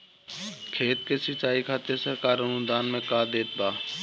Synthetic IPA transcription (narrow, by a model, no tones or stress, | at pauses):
kʰeːt̪̚kesət͡ʃaːikʰaːt̪esəɾkaːɾənʊd̪aːnmẽkaːd̪eːt̪̚baː